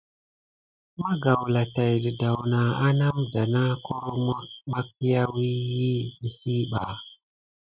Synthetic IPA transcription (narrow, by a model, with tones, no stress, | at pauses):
ma˦ɡa˨wla˨ta˨jdə˨da˨wna˨a˦na˦mda˨na˦ko˦ɾo˦m˦ma˦k̚i˦ja˦wi˦ji˦ni˨si˦ɓa̰˨